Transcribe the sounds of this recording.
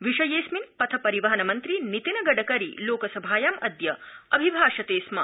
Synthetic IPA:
ʋiʃɐjeːsminpɐt̪ʰɐpɐɾiʋɐɦɐnɐmɐnt̪ɾinit̪inɐɡɐɖɐkɐɾḭloːkɐsɐbʱaːjɐmɐd̪jɐɐbʱibʱaːʃɐt̪eːsmɐ

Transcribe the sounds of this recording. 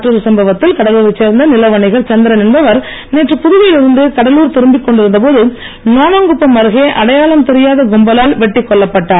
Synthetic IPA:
ʈrɯðɯsɐmbɐʋɐt̪ːɪlkɐɽɐluːɾɐt͡ʃːeːɾnd̪ɐnɪlɐʋɐɳɪɣɐɭt͡ʃɐnd̪ɪɾɐnɪnbɐʋɐɾ | neːʈrɯpʊðʊʋɪjɪlɪɾɯnd̪ɯkɐɽɐluːɾt̪ɪɾɯmbɪkːɔɳɖɪɾɯnd̪ɐpoːðɯ | naːnɐŋɡɯpːɐmːɐɾɯɣeːʔɐɽɐjaːlɐmt̪ɛɾɪjaːðɐɡɔmbɐlaːlʋɛʈːɪkːɔɭːɐpːɐʈːaːɾ

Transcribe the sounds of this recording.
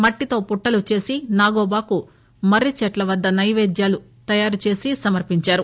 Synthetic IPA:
mɐʈːit̪o̞ːpuʈːɐlut͡ʃe̞ːsinaːɡoːbaːku | mɐɾit͡ʃɛʈlɐʋɐd̪ːɐnɐjʋeːd̪jaːlu | t̪ɐjaːɾut͡ʃe̞ːsisɐmɐɾpiɲt͡ʃaːɾu

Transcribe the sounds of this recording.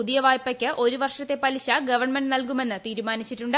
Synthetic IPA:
uðijɐʋaːjpːɐkʲːɨʔo̞ɾuʋɐrʂɐt̪ːe̞pɐliɕɐɡɐʋɐrɳme̞ɳɖnɐlkume̞nːɨt̪iːɾumaːnit͡ɕːiʈːuɳɖɨ

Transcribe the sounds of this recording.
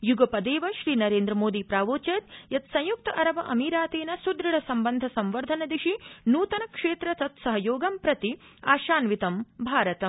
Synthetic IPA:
juɡɐpɐd̪eːʋɐʃɾiːnɐɾeːnd̪ɾɐmoːd̪ipɾaːʋoːt͡ʃɐt̪jɐt̪sɐ̃j̃juk̚t̪ɐʔɐɾɐʋɐʔɐmiːɾaːt̪eːnɐsud̪ɾɐɽɐsɐmbɐnd̪ʱɐsɐmʋɐɾd̪ʱɐnɐd̪iʃinuːt̪ɐnɐkʂeːt̪ɾɐt̪ɐt̪sɐɦɐjoːɡɐmpɾɐt̪iaːʃaːnʋit̪ɐmbʱaːɾɐt̪ɐm

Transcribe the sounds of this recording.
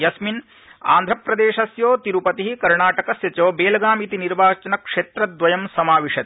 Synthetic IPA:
jɐsmin | a̰ːnd̪ʱɾɐpɾɐd̪eːʂɐsjoːt̪iɾupɐt̪iɦikɐɾɳaːʈɐkɐsjɐt͡ʃoːbeːlɐɡaːmit̪iniɾbaːt͡ʃɐnɐkʂeːt̪ɾɐd̪ʋɐjɐmsɐmaːʋiʂɐt̪

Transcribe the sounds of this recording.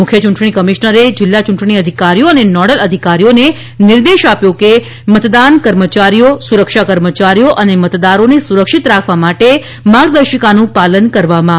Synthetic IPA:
mʊkʰjət͡ʃuɳʈɳ̃ikəmiʃnəɾed͡ʒɪlːat͡ʃuɳʈɳ̃iəd̪ʱikaɾijoənenɔɽələd̪ʱikaɾijone | nɪɾd̪eʃapjõke | mət̪d̪ankəɾmət͡ʃaɾijosuɾəkʃakəɾmət͡ʃaɾijoʔənemət̪d̪aɾonesuɾəkʃit̪ɾakʰʋamaʈe | maɡd̪əɾʃəkanũpalənkəɾʋamã

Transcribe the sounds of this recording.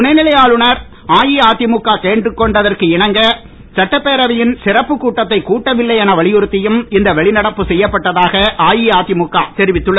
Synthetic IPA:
ʊnɐɪnɪlɐjaːɭɯɳɐɾ | aːjiaːt̪ːɪmʊkːaːkeːɳɖrɯkːɔɳɖɐðɐrkɯɪɳɐŋɡɐ | sɐʈːɐpːeːɾɐʋɐjɪnsɪrɐpːɯkːuːʈːɐt̪ːɐɪkːuːʈːɐʋɪlːɐɪɐnɐʋɐɭɪjɯɾɯt̪ːɪjɯmɪnd̪ɐʋɛɭɪnɐɽɐpːɯsɛjːɐpːɐʈːɐðaːɣɐʔaːjiaːt̪ːɪmʊkːaːt̪ɛɾɪʋɪt̪ːɯɭːɐ

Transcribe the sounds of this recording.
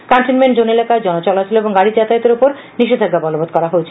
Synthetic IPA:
kaɳʈinmeɳʈd͡ʑonelakaed͡ʑɔnot͡ɕɔlat͡ɕʰiloeboŋɡaɽid͡ʑat̪ait̪eɾopoɾ | niʃed̪ʱaɡːabɔlobʱod̪̚kɔɾaɦoet͡ɕʰe̥

